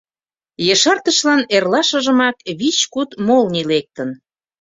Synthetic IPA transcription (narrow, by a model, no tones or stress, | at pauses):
jəʃɑrt̪əʃlɑnerlɑʃə̆ʒə̆mɑkβit͡ɕkut̪molnilek̚t̪ən